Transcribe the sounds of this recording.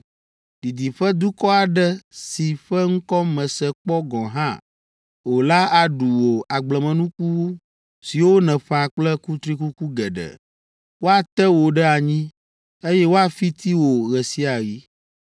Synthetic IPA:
d̪i˨d̪i˨ɸɛ˦d̪u˦kɔ˦a˨ɖɛ˦si˨ɸɛ˦ŋ̩˦kɔ˦mɛ̃˨sɛ˨k͡pɔ˦ɡɔ̃˨ɦã̰˦ | wo˨la˦a˨ɖu˨wo˨a˨ɡ͡blɛ˨mɛ̃˨nũ˦ku˦w | si˨wo˦nɛ̃˨ɸa˨k͡plɛ˦ku˦t̪ɾi˦ku˦ku˦ɡɛ˨ɖɛ̰˨ | wo˦a˨t̪ɛ˦wo˨ɖɛ˦a˨ɲĩ˦ | e˦jɛ˦wo˦a˨fi˦t̪i˦wo˨ɣɛ˨si˦a˨ɣi˦

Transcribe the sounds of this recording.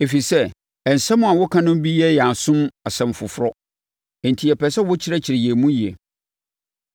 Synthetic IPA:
e˨fi˨sɛ˦˨ | ɛ˨n̩˨sɛ̃˦mʊ̃˦a˨wʊ˦kʰã˦nʊ̃˦m˦bi˦ɛ˦jɛ˨a˨sʊ̃˦ma˨sɛ̃˨m˨fʊ̰˨fʊ˦ɾɔ˦ | ɛ˨n̩˨tʰi˨ɛ˨pʰɛ˨sɛ˦wʊ˦t͡ɕʰɪ˦ɾɛ˦t͡ɕʰɪ˨ɾɪ˨jɛ˨mũ˦ji˨ḛ˨

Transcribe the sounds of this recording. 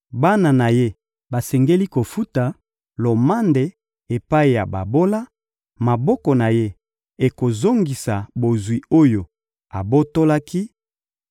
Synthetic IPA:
ba˦na˨na˨je˦ | ba˨sɛ˨ŋɡe˦li˦ko˨fu˦ta˨ | lo˨ma˦nde˨ | e˨pa˦i˨ja̰˨ba̰˨bo˦la˦ | ma˨bɔ˦kɔ˨na˨je˦ | e˨ko˨zo˦ŋɡi˨sa˨bo˨zwi˨o˦jo˨ | a˨bo˦to˦la˦ki˦

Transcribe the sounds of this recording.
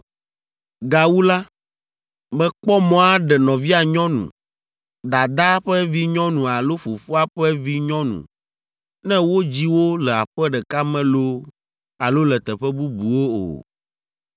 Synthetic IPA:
ɡa˨wu˦la˦ | mɛ̃˦k͡pɔ˦mɔ̃˦a˦ɖɛ˨nɔ̃˨vi˦a˨ɲɔ̃˦nṵ̃˨ | d̪a˨d̪a˦ɸɛ˦vi˦ɲɔ̃˦nũ˨a˨lo˦fo˨fu˦a˦ɸɛ˦vi˦ɲɔ̃˦nṵ̃˨ | nɛ̃˦wo˦d͡ʑi˦wo˦lɛ˨a̰˨ɸɛ˦ɖɛ˨ka˦mɛ̃˦lo˦ | a˨lo˦lɛ˨t̪ɛ˨ɸɛ˦bu˦bu˨wo˦o̰˨

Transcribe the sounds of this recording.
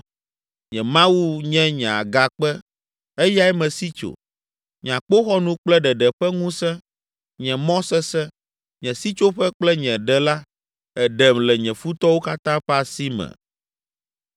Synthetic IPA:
ɲɛ̃˨mã˦wu˦ɲɛ̃˦ɲɛ̃˨a̰˨ɡa˨k͡pɛ˦ | e˦ja˦ɛ˦mɛ̃˨si˦t͡ʃo̰˨ | ɲ˨ã˨k͡po˦xɔ˦nũ˦k͡plɛ˦ɖɛ˨ɖɛ˨ɸɛ˦ŋũ˦sɛ̃˦ | ɲɛ̃˨mɔ̃˦sɛ˦sɛ̃˦ | ɲɛ̃˨si˦t͡ʃo˦ɸɛ˦k͡plɛ˦ɲɛ̃˨ɖɛ˨la˦ | ɛ˨ɖɛ˨mlɛ˨ɲɛ̃˨fu˦t̪ɔ˦wo˦ka˦t̪ã˦ɸɛ˦a˨si˦mɛ̰̃˨

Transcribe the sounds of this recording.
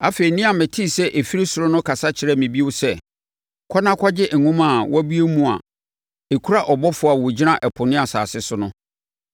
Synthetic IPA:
a˦fe˨ɾi˨nĩ˦a˨mɪ̃˨tʰi˦˨sɛ˦ʔe˨fi˦ɾe˦su˨ɾʊ˦nʊ̃˦kʰa˨sa˦t͡ɕʰɪ˨ɾɛ˦mɪ̃˨bi˦ʊ˦sɛ˦˨ | kʰɔ˦nã˦kʰɔ˦d͡ʑɪ˦ʔ̩˨ŋũ˦ma˨wa˦bi˦e˦mũ˨a̰˨ | e˨kʰu˦ɾa˦ʔɔ˨bɔ˦fʊ˨a˨wɔ˨d͡ʑi˦nã˦ʔɛ˨pʰʊ˨nɪ̃˦a˨sa̰ː˨sɪ˦sʊ˦nʊ̃˦

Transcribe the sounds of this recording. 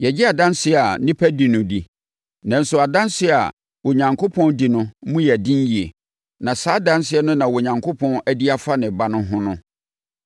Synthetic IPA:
jɛ˨d͡ʑɪ˦a˨dã˦n˦sɪ˦ɛ˨a˨nɪ̃˦pʰæ˦di˨nʊ̃˨di˨ | nã˨n̩˦sʊ˨a˨dã˦nsɪ˦ɛ˨a̰˨ | wo˨ɲã˨ŋkʰo˦pʰɔ̃˦ndi˨nʊ̃˦mũ˦jɛ˨æ˨dɪ̃˦n˦ji˨ḛ˨ | nã˨saː˦dã˦nsɪ˦ɛ˦nʊ̃˦nã˨wɔ˨ɲã˨ŋkʰo˦pʰɔ̃˦næ˦di˦a˦fa˦nɪ̃˨ba˦nʊ̃˦ɦʊ̃˦nʊ̃˦

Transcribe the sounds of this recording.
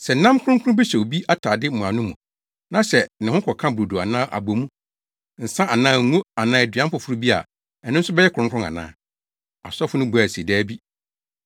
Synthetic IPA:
sɛ˨n̩˨˦nã˦m˦kʰʊ˦ʊ̃˦kʰʊ̃˦bɛ˦ɕɛ˨o˨bi˦ʔa˦tʰaː˨dɪ˦m̩˨mʊ̃˨a˨nʊ̃˦mũ˨ | nã˦ɕɛ˨nɪ̃˨hʊ̃˦kʰɔ˨kʰã˦bu˨du˨a̰˨nãː˦ʔa̰˨bo˨mũ˦ | n̩˨sã˦ʔa˨nãː˦˨ŋ̩˦ŋũ˦a˨nãː˦ɛ˨dɥã˦m˦pʊ˨fʊ˦ɾu˦bi˦a̰˨ | ɛ˨nʊ̃˦n̩˦sʊ˦bɛ˦jɛ˦kʰɾʊ̃˦ŋkʰʊ̃˦ŋa̰˨nã̰ː˨˦ | a̰˨sɔ˦fʊ˦nʊ̃˦bu˨æ˨sdɛː˦bi˦

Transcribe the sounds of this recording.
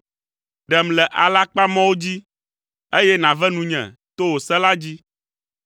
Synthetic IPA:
ɖɛ˨mlɛ˨ʔa˨la˦k͡pa˦mɔ̃˦wo˦d͡ʑi˦ | e˦jɛ˦nã˨vɛ˦nũ˨ɲɛ̰̃˨t̪o˦wo˨sɛ˦la˦d͡ʑi˦

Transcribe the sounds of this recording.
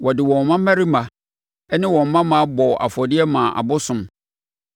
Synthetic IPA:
wɔ˨dɪ˨wɔ̃˨mã˦mã˦ɾi˦mã˨ | ɛ˦nɪ̃˦wɔ̃˨m̩˨mːã˦mã˦a˦bɔ˨ʔa̰˨fɔ˨dɪ˦ɛ˦mã˨ʔa̰˨bʊ˦sʊ̃˦m

